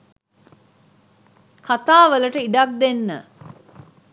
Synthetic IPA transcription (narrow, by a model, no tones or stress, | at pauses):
kʰat̪aːʋələʈəiɖak̚d̪enːə̰